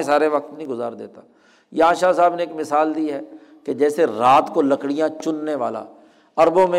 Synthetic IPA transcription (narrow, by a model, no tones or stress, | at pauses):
saːɾeʋɐk̚t̪nɦĩɡʊzaːɾd̪ḛːt̪aː | jãːʃaːsaːbneːkmɪsaːld̪iːɦɛː | ked͡ʒɛːseɾaːt̪kolɐkɽijãt͡ʃʊnːeʋa̰ːla̰ː | ɐɾbõmẽ